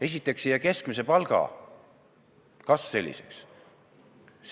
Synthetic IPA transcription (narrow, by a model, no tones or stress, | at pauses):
e̞sʲit̪ːˑe̞ksijɑke̞skmis̬e̞pɑlɡ̥ɑ̰ | kɑsse̞lʲːḭse̞̰ks